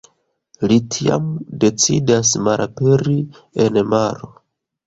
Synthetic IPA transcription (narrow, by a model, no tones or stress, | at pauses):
litʰia̰mde̞t͡sḭdasmalʔape̞ɾi | e̞nmaɾo